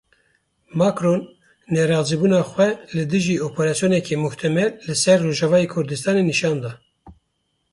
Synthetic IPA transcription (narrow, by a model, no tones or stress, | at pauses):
mɑkɾonː | ɛɾɑːziːbuːnɑːxʷwɛlɨd̪ɨʒiːopʰeɾɑːsijoːnɛkʰeːmʊht̪ʰɛmɛllɨsɛɾːoːʒɑvɑːjekʰʊɾd̪ɨst̪ɑːneniʃɑːnd̪ɑː